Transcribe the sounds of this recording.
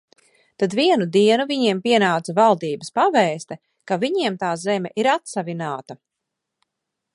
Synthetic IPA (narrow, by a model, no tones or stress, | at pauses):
t̪ad̪viɛnud̪iɛnuviɲiɛmpiɛnaːt̪savalˠd̪iːbəspavɛːst̪ɛ | kaviɲiɛmt̪aːzɛmʲɛʔiɾat̪savinaːt̪ɐ